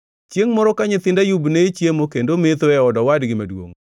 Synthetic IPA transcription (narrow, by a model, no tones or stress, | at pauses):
t͡ʃjeŋmɔɾɔkaɲɪt̪ɪndajubnet͡ʃjemokendomɪt̪oɛɔdɔwadɡɪmadwo̰ŋ